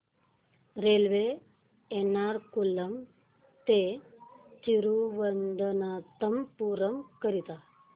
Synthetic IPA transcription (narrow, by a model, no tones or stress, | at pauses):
ɾeːlʋeː | enaːɾkulːɐm | t̪e | t͡ʃiɾuʋɐnd̪ʱɐnɐt̪ɐmpuːɾɐmkɐɾit̪a